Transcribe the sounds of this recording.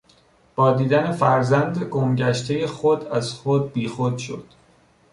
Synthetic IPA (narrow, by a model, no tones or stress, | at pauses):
b̥ɒːd̪iːd̪æne̞fæɾzænd̪eɡomɟæʃt̪ʰejexod̪æz̥xod̪̚biːxod̪̥ʃo̞̰d̪̥